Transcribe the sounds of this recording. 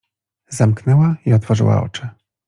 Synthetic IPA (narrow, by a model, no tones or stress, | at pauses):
zamknɛwaiɔt̪fɔʐɘ̰wa̰ɔ̰t͡ʂɘ